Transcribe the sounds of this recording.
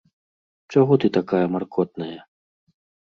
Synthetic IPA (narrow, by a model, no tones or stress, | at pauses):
t͡ʂaɣɔt̪ɨt̪akajɐmarkʰɔt̪̚nɐjɐ